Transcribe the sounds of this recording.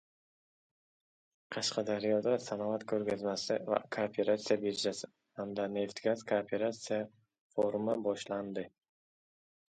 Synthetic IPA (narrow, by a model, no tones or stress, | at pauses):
qʰɑʃqʰɑd̪aɾjɒd̪asanɒvat̪kʰɵɾɡʲazmasɪva̰kʰopʰe̞ɾat̪sijabeɾd͡ʒasɪ | hamd̪ane̞ft̪ɡʲazkʰopʰe̞ɾat̪sija | foɾmabɒʃland̪ɪ